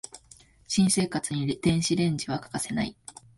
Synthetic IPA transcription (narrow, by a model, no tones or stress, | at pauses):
ɕĩɰ̃se̞ːkat͡sɨɲ̟id̪̥ẽ̞ɰ̃ɕiɾẽ̞ɲ̟d͡ʑiβakḁkase̞na̰i